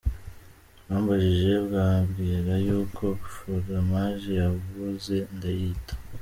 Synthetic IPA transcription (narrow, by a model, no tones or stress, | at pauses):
waːmbaʒiʒe̞bɡaːbɡiːɾajuːkʰo̞ku̥ʃoɾamaːʒejavuze̞ndajitḁ